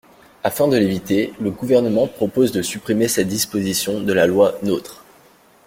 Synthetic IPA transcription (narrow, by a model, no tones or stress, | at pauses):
afɛ̃d̪əlevit̪eləɡuvɛʁnəmɑ̃pχɔpozd̪əsypχimesɛd̪ispozisjɔ̃d̪əlalwanøt̪χ